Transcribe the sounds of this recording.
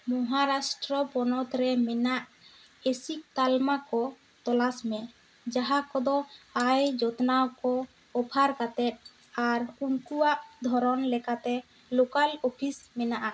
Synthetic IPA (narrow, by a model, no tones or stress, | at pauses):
mɔɦaɾasʈɾɔpɔnɔt̪ɾɛmɛnaʔ | esik̚t̪almakɔ | t̪ɔlasmɛ | d͡ʒaɦakɔd̪ɔajd͡ʒɔt̪nawkɔ | ɔpʰaɾkat̪ɛt̪̚ | aɾuŋkuwaʔd̪ʱɔɾɔnlɛkat̪ɛ | lokalɔpʰismɛnaʔa